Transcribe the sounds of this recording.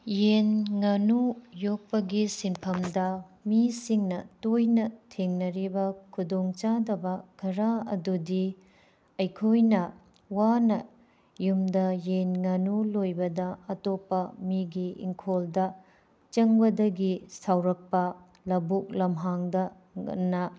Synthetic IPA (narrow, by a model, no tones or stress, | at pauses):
jenŋɐnujok̚pɐɡisinpʰɐmdɐmisiŋnɐtojnɐtʰeŋnɐɾibɐkʰudoŋt͡ʃadɐbɐɡ̥ʱɐɾaɐ̰dudi | ɐjkʰojnɐ | wanɐ | jumdɐjenŋɐnulojbɐdɐɐtopːɐmiɡiḭŋkʰoldɐ | t͡ʃɐŋbɐdɐɡisawɾɐk̚pɐ | lɐbuk̚lɐmɦaŋdɐ̰ | nɐ